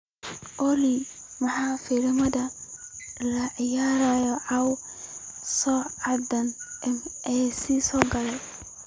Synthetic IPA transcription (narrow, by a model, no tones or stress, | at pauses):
ʔɔli | mɐħaːfiɾmɐðɐ | lɐʕɪjaːɾaːjɔʕɑw | sɔːʕɑd̪ɐnʔɛmʔɛsisɔːɡɐlɛj